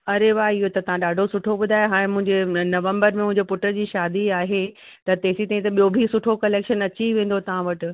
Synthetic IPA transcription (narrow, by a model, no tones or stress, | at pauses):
ɐɾeʋaːɪɦot̪ɐt̪ɐʋ̤ãɗaːɖʱosʊʈʰoɓʊd̪ʱaːjoɦaːɽ̃ẽmʊ̃ɦɪ̃ɲd͡ʑenɐʋə̃mbəɾmẽmʊ̃ɦɪ̃ɲd͡ʑepʊʈəɾd͡ʑiːʃaːd̪iaːɦe | t̪ɐt̪eːsit̪aːĩt̪ɐɓijobʱisʊʈʰokɐleːkʃənɐt͡ɕiʋẽːn̆d̪ot̪ɐʋ̤ãʋɐʈɪ̆